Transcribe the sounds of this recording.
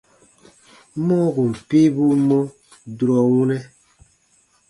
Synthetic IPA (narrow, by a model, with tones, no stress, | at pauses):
mɔ̃˦ɡu˨m̩˨pe˦bu˦mɔ̃˦ | du˨ɾɔ˨wũ˦nɛ˦